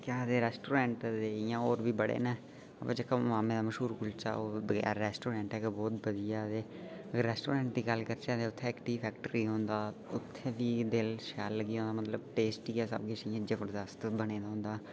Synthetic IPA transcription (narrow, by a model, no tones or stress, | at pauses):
kaːd̪eːɾɛːsʈoːɾɛ̃ːɳʈd̪eːɪjãːoːɾbiːbəɽḛːneː | ə̰bẽd͡ʒəkːãmaːmẽːd̪aːməʃɦuːɾkʊlt͡ʃa̰ːoːbəɡɛ̰ːɾːɛːsʈoːɾɛ̃ːɳʈɛːkebɔːt̪bəd̪ɪjaːd̪eː | ɾɛːsʈoːɾẽːɳʈ̚d̪iːɡəlkəɾt͡ʃãːd̪eːʊt̪ʰːẽːɪkʈiːpʰɛːkʈəɾiːɦõːnd̪aːʊt̪ʰːẽːbiːd̪elʃɛːlːəɡiːɦõːnd̪aːmət̪ləbʈeːsʈiːɛːsə̰bkɪʃɪjãːd͡ʒəʋəɾd̪əst̪bəneːd̪aːɦʊ̃ːnd̪aː